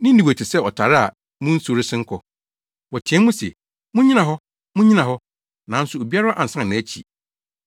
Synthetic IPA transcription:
nɪ̃˦n̩˦i˨we˨tʰɪ˨sɛ˦˨ɔ˨tʰa˨ɾɪ˦a̰˨ | mũ˦n̩˦so˨ɾɪ˦sɪ̃˦ŋ̩˦kʰɔ˨ | wɔ˨tʰɪ˨ɛ̃˦mũ˦sḛ˨ | mʊ̃˦ɲĩ˦ã˨ɦɔ˦ | mũ˦ɲĩ˦nã˨ɦɔ˦ | nã˨˦n̩˦sʊ˨o˨bi˦a˦ɾa˦ʔa˨n̩˨sã˦n˨nɪ̃˨˦æ˦t͡ɕʰḭ˨

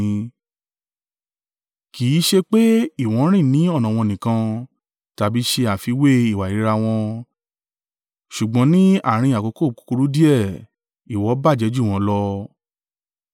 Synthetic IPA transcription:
kiː˨˦ʃe˧k͡pe˦i˦˨w̃ɔ̃˨˦ɾ̃ĩ˦˨nĩ˨˦ɔ˦˨nã˨w̃ɔ̃˧nĩ˨kã˧ | ta˨bi˨˦ʃe˧a˨fi˧we˦i˨wa˨i˦ɾa˧w̃ɔ̃˧ | ʃu˨ɡ͡bɔ̃˨˦nĩ˦a̰˦˨ɾ̃ĩ˧a˨ko˨˧˦ko˦˨ku̥˧ku˧ɾu˦di˦ɛ˦˨ | i˨wɔ˨˦ba˦˨d͡ʒɛ˨˦d͡ʒu˦˨w̃ɔ̃˨˦lɔ˧

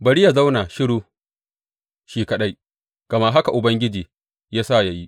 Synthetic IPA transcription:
bɐ˨ɽi˦ja˨za˦wnaː˨ʃɪ˦ɽuː˦ | ʃiː˦kɐ˨ɗa˦j | ɡ̥ɐ˨ma˦ɦa˦ka˨ʔʊ˨bɐ˦ŋɡʲɪ˦d͡ʒiː˨ | jaː˦saː˦˨ja˦ji˦ʔ

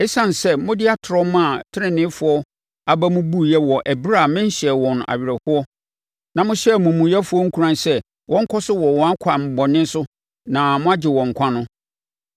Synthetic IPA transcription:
ɛ˦sã˦n˨sɛ˦mʊ̃˦dɪ˦a˦tʰɾɔ˦mã˦˨tʰɪ˦ɪ̃˨nɪ̃˦fʊ˦ɔ˦ | a˨ba˦mʊ̃˦bu˦jɛ˦wɔ˨ʔɛ˨bɾa˦˨mɪ̃˦n̩˦ɕɛ˨wɔ̃˨n˨a̰˨ɥɪ˨ɾɛ˨hʊ˦ɔ˦ | nã˨mʊ̃˦ɕɛ˦˨mʊ̃˨mũ˨jɛ˦fʊ˦ɔ˦ŋ̩˦kʰu˦ɾã˦n˦sɛ˦ | wɔ̃˦ŋ̩˦kʰɔ˦sʊ˦wɔ˨wɔ̃˨a˦kʰa˨m̩˨bɔ˨nɪ̃˦n˦sʊ˦ | nã˨mʊ̃˦a˦d͡ʑɪ˨wɔ̃˨ŋ̩˨kʷʰã˦nʊ̃˦

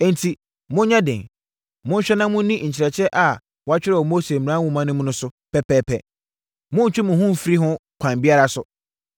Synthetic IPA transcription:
ɛ˦˨n˦tʰi˨ | mʊ̃˦ɲã˦dɪ̰̃˨ŋ | mʊ̃˦n̩˦ɕᶣɛ˦nã˦mʊ̃˦nĩ˦˨ɲ̩˨t͡ɕʰɪ˨ɾɛ˨t͡ɕʰɛ˦ʔa˨ | wɔ˦a˦t͡ɕᶣɪ˦ɾɛ˦˨ɔ˨mo˦se˨mɪ̃˨ã˦wʊ̃˨mã˦nʊ̃˦mʊ̃˦nʊ̃˦sʊ˦ | pʰɛ˦pʰɛː˦pʰɛ̰˨ | mʊ̃˦n̩˨t͡ɕᶣɪ˦mʊ̃˨hʊ̃˦m˦fi˦ɾi˦ɦʊ̃˦kʷʰã˨m˨bi˦a˦ɾa˨sʊ˨

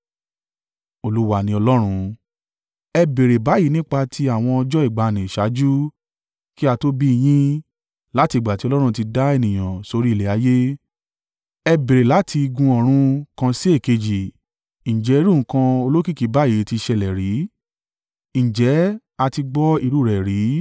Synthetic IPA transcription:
o˧lu˦wa˦˧nĩ˧ɔ˧lɔ˦ɾ̃ũ˧ | ɛ˧be˨ɾe˨ba˨˦ji˨˦nĩ˦k͡pa˧tʰi˧a˦˨w̃ɔ̃˧ɔ˧d͡ʒɔ˦i˦˨ɡ͡ba˨nĩ˨ʃa˨˦d͡ʒu˦ | ki˦a˧to˦bi˦i˧j̃ĩ˦ | la˦ti˧˨ɡ͡ba˨ti˨˦ɔ˧lɔ˦ɾ̃ũ˧ti˧da˦e˧˨nĩ˨j̃ã˨so˧ɾi˦˨e˨˦a˨˦je˦ | ɛ˧be˨ɾe˨la˨˦tʰi˧ɡũ˧ɔ˨ɾ̃ũ˦kã˧si˦e˦˨ke˧d͡ʒi˨ | ñ̩˨d͡ʒɛ˨˦i˦ɾũ˦˨˦kã˧o˧lo˦ki˦˨ki˨˦ba˨˦ji˨˦ti˧ʃɛ˧˨lɛ˨ɾi˨˦ | ñ̩˨d͡ʒɛ˨˦ | a˧ti˧ɡ͡bɔ˦i˧ɾu˦˨ɾɛ˨ɾi˨˦

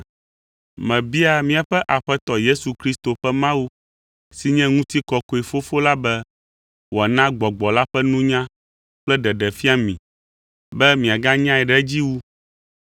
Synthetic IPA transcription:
mɛ̃˨bi˦a˨mĩ˨a˨ɸɛ˦ʔa˨ɸɛ˦t̪ɔ˨je˦su˨kɾi˦st̪o˨ɸɛ˦mã˦wu˦ | si˨ɲɛ̃˦ŋũ˦t̪i˦kɔ˨ko˨i˨fo˦fo˦la˦bɛ˦ | wo˨a˨nã˦ɡ͡bɔ˨ɡ͡bɔ˨la˦ɸɛ˦nũ˦ɲã˦ | k͡plɛ˦ɖɛ˨ɖɛ˨fi˦a˦mĩ˨ | bɛ˦mĩ˨a˨ɡã˦ɲã˦ɛ˨ɖɛ˦d͡ʑi˦wu˦

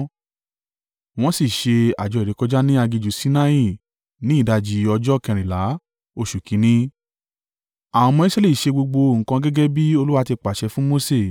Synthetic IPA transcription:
w̃ɔ̃˦si˦˨ʃe˧a̰˨d͡ʒɔ˨˧i˨ɾe˨˦kɔ˧˦d͡ʒa˦nĩ˦a˧ɡi˧d͡ʒu˨si˨˦nã˧i˦˨ | nĩ˨˦i˦˨da˧d͡ʒi˧˦ɔ˧d͡ʒɔ˦kɛ̃˧ɾ̃ĩ˨la˨˦ | o˧ʃu˨kĩ˨˦nĩ˦ | a˨w̃ɔ̃˧mɔ̃˧i˦sɾe˦le˦˨ʃe˧ɡ͡bo˧ɡ͡bo˧ŋ̩˨kã˧ɡɛ˦ɡɛ˦bi˦o˧lu˦wa˦˧ti˧k͡pa˨ʃɛ˧fũ˦mo˦se˦˨

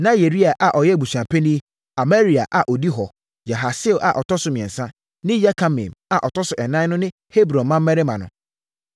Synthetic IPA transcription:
nã˦je˨ɾi˦a˨ʔa˨ʔɔ˨jɛ˦˨bu˨sã˨pʰe˦nĩ˦ | a˨me˦ɾi˨a˨ʔa˨ʔɔ˨di˦ɦɔ˨ | ja˨ɦa˨sɪ˦˨ʔa̰˨ʔɔ˨tɔ˦sʊ˨mĩ˨ɛ̰̃˨nsã˦ | nɪ̃˦ja˦kʰa˨mɪ̰̃˨ma˨ʔɔ˨tɔ˦sʊ˨ʔɛ˨nã˦nʊ̃˦nɪ̃˦ | he˦bɾɔ̃˨nmã˦m̩ː˦mɛ˦ɾe˦mã˨nʊ̰̃˨

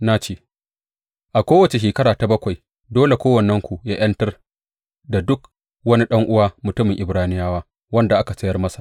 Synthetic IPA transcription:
na˦t͡ʃeː˦˨ | ʔa˨kʷoː˦wɐ˨t͡ʃe˨ʃ̬eː˨kɐ˦ɽaː˨ta˨bɐ˦kʷɐ˨j | doː˦le˨kʷoː˦wɐ˨nːɐ˦ŋkʷu˨jaː˦j̰ɐ˦ntɐ˦r | da˨dʊ˦k | wɐ˦ni˦ɗɐ˦ŋʔʊ˦waː˦mʊ˨tʊ˦mɪ˨ŋʔɪ˨bɾaː˦nɪ˦jaː˦waː˦ | wɐ˦nda˨ʔa˦ka˨sɐ˦jɐ˦rmɐ˦sḁ˨ʔ

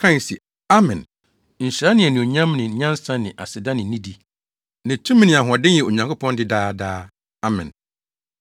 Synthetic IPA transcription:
kʰã˦n˨si˨ | a˦mɛ̃˨n | ɲ̩˨ɕɾa˦nɪ̃˨ɛ˨nɪ̃˨o˨ɲã˦mnɪ̃˨ɲã˦n˦sã˦nɪ̃˨ʔa˨sɪ˨da˦nɪ̃˨nĩ˦di˦ | nã˨tʰũ˦mĩ˦nɪ̃˨a˨ɦʊ̃˨ɔ˨dɪ̃˦n˦jɛ˨o˨ɲã˨ŋkʰʊ˦pʰɔ̃˦ndɪ˦daː˦daː˦ | a˦mɪ̰̃˨n

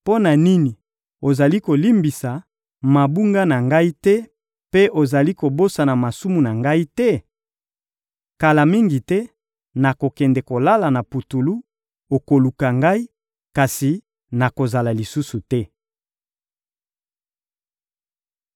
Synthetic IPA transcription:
po˦na˨ni˦ni˨ | o˨za˨li˦ko˨li˦mbi˨sa˨ | ma˨bu˦ŋɡa˦na˨ŋɡa˦i˦tɛ˦ | pe˦ʔo˨za˨li˦ko˨bo˦sa˨na˨ma˨su˦mu˨na˨ŋɡa˦i˦tɛ˦ | ka˨la˨mi˦ŋɡi˨tɛ˦ | na˨ko˨kɛ˨ndɛ˨ko˨la˦la˨na˨pu˨tu˨lu˦ | o˨ko˨lu˨ka˨ŋɡa˦i˦ | ka˨si˨ | na˨ko˨za˨la˨li˨su˦su˨tɛ˦

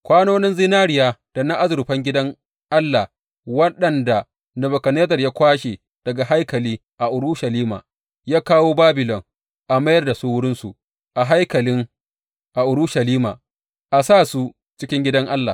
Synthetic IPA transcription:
kʷaː˦noː˦nɪ˦nzɪ˦naː˦ɾɪ˨jaː˦d̥a˨na˦ʔa˦zʊ˨rɸɐ˦ŋɡʲɪ˦dɐ˦ŋ | ʔa˦lːa˨ | wɐ˦ɗɐ˨nda˨ | nɐ˨bɐ˨kɐ˨neː˦zɐ˨rjaː˦kʷaː˦ʃe˨ | d̥ɐ˨ɡa˨ɦa˦jkɐ˨liː˦ | ʔa˨ʔʊ˨ɾʊ˦ʃa˨liː˦ma̰ː˨ | jaː˦kaː˦woː˦baː˦bɪ˨lɔ˨ŋ | ʔa˨mɐ˦jɐ˦rda˨su˦wʊ˦ɽɪ˦nsu˨ | ʔa˨ɦa˦jkɐ˨lɪ˦ŋ | ʔa˨ʔʊ˨ɾʊ˦ʃa˨liː˦ma̰ː˨ | ʔa˨saː˦˨su˦ | t͡ʃɪ˦kʲɪ˦ŋɡʲɪ˦dɐ˦ŋʔa˦lːa̰˨

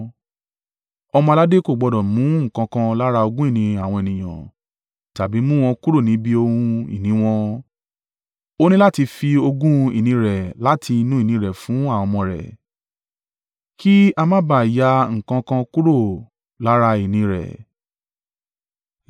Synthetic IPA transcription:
ɔ˧mɔ̃˧a˧la˦de˦ko˦˨ɡ͡bɔ˨˧dɔ̃˨mũ˨˦ŋ̩˦˨kã˧kã˧la˦ɾa˧o˧ɡũ˦i˦˨nĩ˧a˨w̃ɔ̃˧e˨nĩ˨j̃ã̰˨ | ta˨bi˨˦mũ˦w̃ɔ̃˧ku˦ɾo˦˨nĩ˨˦bi˦o˧hũũ˧ḭ˨nĩ˨˦w̃ɔ̃˧ | o˦nĩ˦la˦ti˧fi˧o˧ɡũ˦ḭ˦˨nĩ˧ɾɛ˨la˨˦tʰi˧i˧nũ˦i˦˨nĩ˧˦ɾɛ˨fũ˨˦a˦˨ɔ˧mɔ̃˧ɾɛ̰˨ | ki˦a˧mã˦ba˦˨ja˧˦ŋ̩˨kã˧kã˧ku˦ɾo˦˨ | la˨˦ɾa˧i˨nĩ˧ɾɛ̰˨

